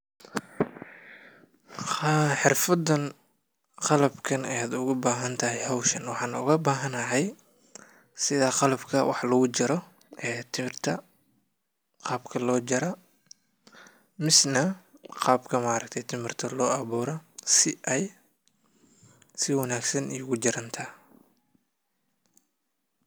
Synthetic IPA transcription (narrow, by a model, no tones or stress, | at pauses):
ħɪrfɐd̪ɐn | qɑlɐbkʰɐnɛjaːd̪ʊɣʊbaːɦɐnt̪ʰɐɦɛjɦɔwʃɐnwɑħɑːnʊ̰ɣɐbaːɦɐnɐɦɛj | sɪðaːqɑlɐbkʰɐwʔɑ̰ħlɐɣʊt͡ʃɪɾɔ | ʔɛːt̪ʰɪmɪrt̪ʰɐ | qɑːbkʰɐlɔːt͡ʃɐɾɐ | mɪsnɐqɑːbkʰɐmaːɾɐkt̪ʰɛjt̪ʰɪmɪrt̪ʰɐlɔːʔɑβuːɾɐsɪʔɛj | sɪwɑnaːɡsɐnijʊɣʊt͡ʃɪɾɐnt̪ʰɐ